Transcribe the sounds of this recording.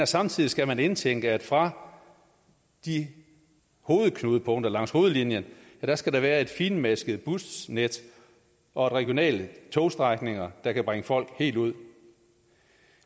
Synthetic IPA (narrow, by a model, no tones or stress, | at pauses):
æsɑ̈mt͡sʰið̞̰ˠisɡ̥æmæne̝nt͡sʰeŋ̰ɡ̥əæd̥fʁɑ̈ | d̥i | ho̝ːð̞̩ˠkʰnuðˠəpʰɔ̽ŋ̰d̥ɐlɑ̈ŋ̰sho̝ːð̞̩ˠlinjən | æɾ̥æsɡ̥æɾɑ̈ʋæːɐe̝d̥fiːnmæsɡ̥əð̩ˠb̥usned̥ | ɒ̽e̝d̥ʁɛɡ̥jo̝nɛ̰ːlt͡sʰoːsd̥ʁɑɡ̥ne̝ŋɐd̥ɑ̈kʰæb̥ʁaŋəfɒ̽l̰ɡ̥he̝̰ːld̥uð̞̰ˠ